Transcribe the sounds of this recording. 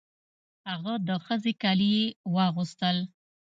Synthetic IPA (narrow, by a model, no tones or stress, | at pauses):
haɣad̪əxəzekaliewɑɣust̪əl